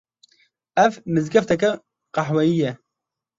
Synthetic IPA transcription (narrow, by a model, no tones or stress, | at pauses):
ɛvmɨzɡɐft̪ɛkɛ | qɑħwɛjijɛ